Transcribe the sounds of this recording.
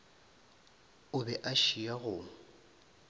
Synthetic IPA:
ʊbɛʔaʃiaɣʊ

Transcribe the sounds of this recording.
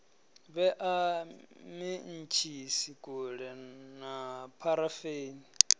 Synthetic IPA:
βɛʔa | min̩t͡ʃʰisikʼuɺɛnapʰaɾafeːni

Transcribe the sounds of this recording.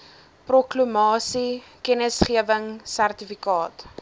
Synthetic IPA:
prɔklumɑːsikɛnəsχiəvəŋsærtifikɑːt

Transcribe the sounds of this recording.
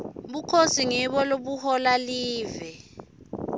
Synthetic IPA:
ɓukʰosiŋɛɓɔloɓuhɔlaliːvɛ

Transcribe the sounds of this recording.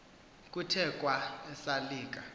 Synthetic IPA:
k̬ʼutʰɛkʼwaɛsaliːk̬ʼa

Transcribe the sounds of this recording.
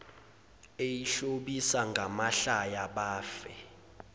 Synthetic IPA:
ejiɬoɓisaŋɡʱamaɬajaɓaːfɛ

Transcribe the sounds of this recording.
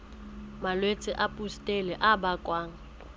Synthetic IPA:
malwet͡sʼɪʔapʼustʼɛlɛʔabakʼwaːŋ̩

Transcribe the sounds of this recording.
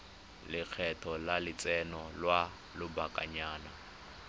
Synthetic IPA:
lɪk͡xʰɛtʰɔlalɪt͡sʼɛnɔlwa | lʊbakʼaɲaːna

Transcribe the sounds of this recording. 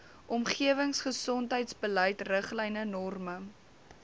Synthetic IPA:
ʔɔmχiəvəŋsχəsɔntɦəjtsbəlɛjtrəχlɛjnənɔrmə

